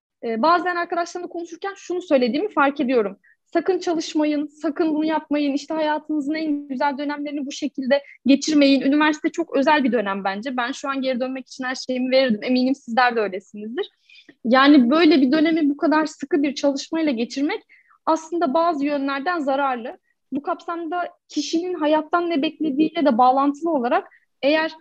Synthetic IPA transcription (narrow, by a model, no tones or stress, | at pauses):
ɛːbaːzænaɾkad̪aʃlˠaɾnakonuʃuɾcʰænʃunusø̞jlʲe̞d̪iːmifaɾke̞d̪ijo̞ɾum | sakɯnt͡ʃʰalˠɯʃmajɯnsakʰɯnbunujap̚majɯniʃt̪ʰɛhajaːt̪ʰɯmɯzɯnænyzælʲd̪ø̞næmleɾinibuʃe̞cʰilʲd̪ɛɟe̞t͡ʃʰiɾme̞jinynivæɾsi̥t̪ʰɛt͡ʃʰo̞kø̞zælʲbid̪ø̞næmbænd͡ʒɛbænʃuanje̞ɾid̪ø̞nmɛci̥t͡ʃʰinhæɾʃe̞jimive̞ɾiɾd̪ime̞miːnimsizlʲæɾd̪ɛø̞jlʲe̞sinizd̪iɾ̥ | jaːnibø̞jlʲebid̪ø̞ne̞mibukʰad̪aɾsɯkɯbiɾt͡ʃʰalˠɯʃmajlˠaɟe̞t͡ʃʰiɾmɛc | aslˠɯnd̪abaːzɯjø̞nlʲæɾd̪ænzaɾaɾlˠɯ | bukʰapsamd̪acʰiʃininɦajat̪ʰːanːɛbɛclʲe̞d̪iːlʲɛd̪ɛbaːlˠant̪ʰɯlˠɯo̞lˠaɾak̚ | e̞jæɾ̥